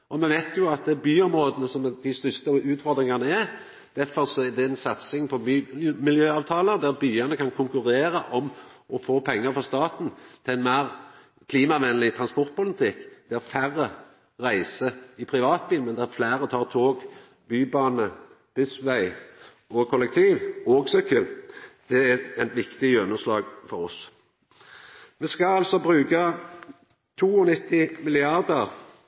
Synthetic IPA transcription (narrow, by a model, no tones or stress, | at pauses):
ɔmɛnʋæɪt̪ʰjʊɑt̪̚d̪ɛbyːɔmɾʁoːd̪ənəsɔmd̪ɪst̪ʏst̪əʉːt̪fɔɾd̪ɾɪŋɑnəæ | d̪̥æfɔɾsɔɛd̪ɛɛnsɑt̪sɪŋpʰɔːmɪljøːɑːʋt̪ʰɑːləd̪æɾbyːɑnəkɑnkʰʊŋkʉʁeːɾəʔɔmɔfoːpʰɛŋːəɾfɔst̪ɑːt̪n̩t̪ʰɪlɛɪnmæːʁ | kʰliːmɑʋɛnlɪt̪ʰʁɑnspɔɾt̪̚pʊlɪt̪ʰɪkːd̪̥ɛæɾfæɾːə | ʁæɪsəɪpʰʁɪʋɑːt̪̚biːlmɛnd̪ɛæɾflæːʁət̪ʰɑːʁt̪ʰoːɡ | b̥yːbɑːnə | b̥ʏsʋæɪ | ɔkʰɔlɛk̚t̪ʰiːʋoːɡsɔkʰʏld̪̥ɛæɛɪt̪ʋɪkt̪ɪʉnəslɑːɡfɔɾɔs | mɛskɑɑlsɔbʁʉːkɑ | t̪ʰuːɔnɪt̪ːɪmɪlɪɑʁd̪əʁ